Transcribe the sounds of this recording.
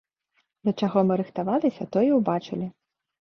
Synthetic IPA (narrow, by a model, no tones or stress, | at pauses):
d̪ʲɐt͡ʃaɣɔmɪɾɨxt̪aʋɑlˠɪsʲɐt̪ɔjiwbat͡ʃɪlʲi